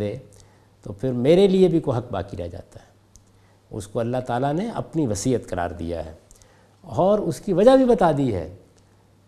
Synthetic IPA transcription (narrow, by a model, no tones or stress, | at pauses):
eː | t̪opʰɪɾmeːɾeliebʱikoɦɐk̚ba̰ːkiɾa̰d͡ʒa̰ːt̪aɦɛː | ʊ̰skoɐlːaɦt̪aːlaneɐ̰pniʋɐsiːət̪kɐɾa̰ːɾd̪ḭja̰ɦɛ̰ː | ɔːɾʊskiʋɐd͡ʒabʱibɐt̪aːd̪iɦɛ̰ː